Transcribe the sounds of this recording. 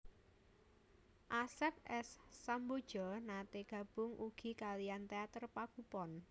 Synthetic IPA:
ʔasɛp̚ɛsːambod̥ʒ̥ɔnat̪eɡ̥ä̤b̥ʊŋʔuɡ̥i̤kaliant̪eat̪ərpakupɔn

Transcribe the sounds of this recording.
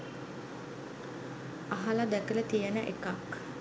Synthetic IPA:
aɦalad̪ækələt̪ijənəʔekak

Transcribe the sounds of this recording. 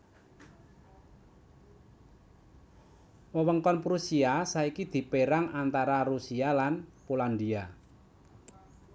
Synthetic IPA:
wəwəŋkɔnpɾusiasaikid̪̥i̤peɾaŋant̪aɾarusialanpoland̪ia

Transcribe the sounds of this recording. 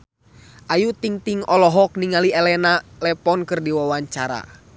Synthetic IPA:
ʔajut̪iŋt̪iŋɔlɔɦɔk̚niŋaliɛlɛnalɛpɔnkɨrdiwawaɲt͡ʃaɾa̰

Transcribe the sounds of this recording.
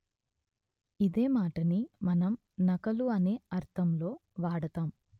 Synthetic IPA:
id̪e̞ːmaːʈɐnimɐnɐm | nɐkɐluɐne̞ːɐɾt̪ʰɐmlo̞ːʋaːɽɐt̪aːm

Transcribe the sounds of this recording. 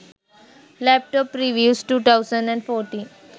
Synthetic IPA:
lɛp̚ʈɔpɾiʋjuːsʈuːt̪ʰaʊzə̃ɳɖɛ̃ɳɖfɔːɾʈĩːn

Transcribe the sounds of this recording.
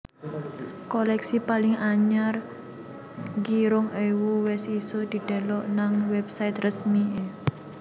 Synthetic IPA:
kolɛksipalɪŋaɲar | ɡiɾʊŋewuwɪsisod̪̥i̤ɖ̥a̤lɔʔnaŋwɛp̚saɪt̪rəsmi

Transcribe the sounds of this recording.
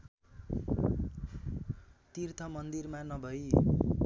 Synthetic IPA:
t̪irt̪ʰʌmʌnd̪irmanʌbʱʌj

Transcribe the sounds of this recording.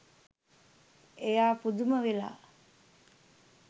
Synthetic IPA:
ejaːpud̪uməʋela̰ː

